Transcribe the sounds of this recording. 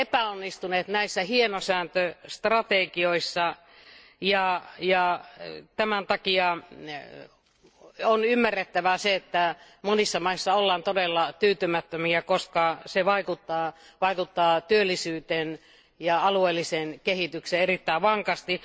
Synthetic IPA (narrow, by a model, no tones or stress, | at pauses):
epæonːist̪uneːt̪næisːæhienosæːnt̪øst̪rɑt̪ekioisːɑ | jɑjɑt̪æmænt̪ɑkiɑ | onymːærːet̪ːæʋæseet̪ːæ | monisːɑmɑisːɑolːɑːnt̪odelːɑt̪yːt̪ymæt̪ːømiækoskɑseʋɑikut̪ːɑː | ʋɑikut̪ːɑːt̪yølːisyːt̪en | jɑɑlueːlːisenkehit̪ykseerit̪ːæiʋʋɑŋkɑst̪i